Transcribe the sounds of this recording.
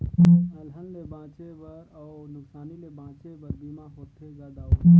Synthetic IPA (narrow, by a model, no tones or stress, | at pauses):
əlɦənlebʱãːt͡ʃebəɾanʊksaːnilebʱãːt͡ʃebəɾbimãɦoːt̪ʰed͡ʒad̪aːu